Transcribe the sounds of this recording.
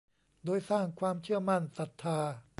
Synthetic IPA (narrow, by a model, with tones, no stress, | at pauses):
doː˧jsaː˥˩ŋkʰwaː˧mt͡ɕʰɯ˥˩ɐma˥˩nsa˨˩t̪ʰːaː˧